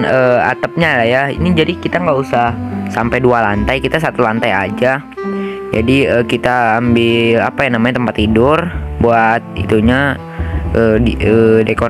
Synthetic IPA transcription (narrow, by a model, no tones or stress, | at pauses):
əːa̰t̪əp̚ɲalajaḭnid͡ʒadikit̪aŋɡausahsampajdualant̪ajkit̪as̬at̪ulant̪aja̰d͡ʒa | d͡ʒa̰diəkit̪aːmbɪla̰pajaŋnamaɲat̪əmpat̪ːidʊrbuat̪̚ḭt̪uɲa | ʔəːiədeko